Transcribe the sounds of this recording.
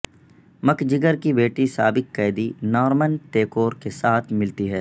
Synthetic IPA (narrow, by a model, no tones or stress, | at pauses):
mɐkd͡ʒɪɡəɾkibeːʈisaːbɪkːɛːd̪inɔːɾmənʈeːkoːɾkesaːt̪ʰmɪlt̪iɦɛː